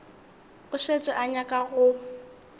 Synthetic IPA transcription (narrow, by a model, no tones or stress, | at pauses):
ʊʃet͡sʼɔʔaɲakʼaɣʊ